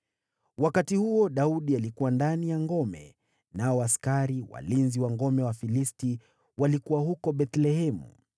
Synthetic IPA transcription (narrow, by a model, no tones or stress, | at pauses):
wakatihuɔɗauɗialikuwandanijaŋɡɔmɛ̰ | naɔaskaɾiwa̰linziwaŋɡɔmɛwafilisti | walikuwahukɔɓɛt̪lɛhɛmṵ